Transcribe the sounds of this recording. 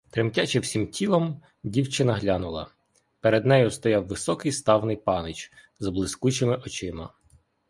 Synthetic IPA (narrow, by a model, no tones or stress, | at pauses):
t̪ɾɪmtʲat͡ʃɪwsʲimtʲʰilˠɔm | dʲiwt͡ʃɪnɐɦlʲɑnʊlˠɐ̰ | peɾed̪nɛjʊst̪ɔjɑwːɪsɔkɪjst̪ɑwnɪjpɑnɪt͡ʃ | zɐblˠɪskut͡ʃɪmɪʔɔt͡ʃɪmɐ